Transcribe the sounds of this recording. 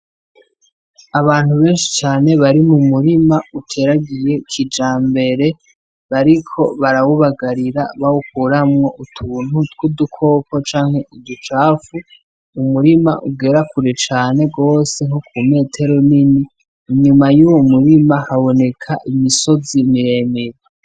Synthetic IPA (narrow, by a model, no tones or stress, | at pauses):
aβaːn̥huβe̞ːnʃi̥t͡ʃaːne̞βaɾimumuɾimautʰe̞ɾaɡije̞kʰid͡ʒaːmbe̞ɾe̞ | βaɾikʰo̞βaɾawuβaɡaɾiɾaβawukuːɾamŋo̞ʔutʰuːn̥ut̚ɡ̥udukʰo̞ːkʰo̞t͡ʃaːŋ̥he̞ʔidut͡ʃaːfu | umuɾima̰ʔuɡe̞ɾakuɾet͡ʃaːne̞ɡo̞ːse̞ŋ̥okume̞tʰe̞ɾoniniː | ɲumajuːwomuɾimahaβo̞ne̞kʰaʔimiso̞zimiɾe̞ːmeɾe